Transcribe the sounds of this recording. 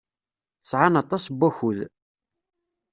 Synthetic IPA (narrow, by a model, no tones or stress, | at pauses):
θə̥sˤʕanɑt̪ˤɑsbːæçuð